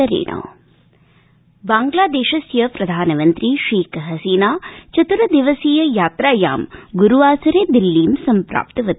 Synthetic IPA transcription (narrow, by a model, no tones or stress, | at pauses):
ɐɾḭːɳɐ̰ː | baːŋɡlaːd̪eːʃɐsjɐpɾɐd̪ʱaːnɐmɐnt̪ɾiʃiːkɐɦɐsiːnaːt͡ʃɐt̪uɾɐd̪iʋɐsiːjɐjaːt̪ɾaːja̰ːmɡuɾuʋaːsɐɾeːd̪ilːiːmsɐmpɾa̰ːpt̪ɐʋɐt̪